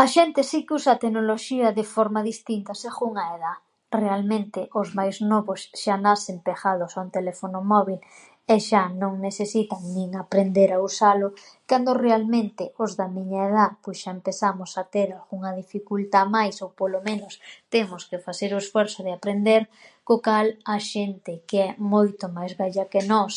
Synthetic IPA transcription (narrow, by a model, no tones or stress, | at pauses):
aʃent̪ɪsikusat̪enoloʃiɐðefɔɾmaðist̪int̪ɐseɣuŋaeða | realmẽnt̪ɪʔozmajznɔβosʃanasempexaðʊsaunt̪elefonomɔβil | eʃanõŋneθesit̪aŋnĩŋapɾend̪eɾausalʊ | kand̪orealmẽnt̪ɪozðamiɲaeðapojsʃaempeθamosat̪eɾalɣuŋɐðifikult̪amajsowpolomẽnʊst̪emʊskefaθeɾoesfɔɾsoðɪapɾend̪eɾ | kokalaʃent̪ɪkeɛmojt̪omajzβɛʎɐkenɔs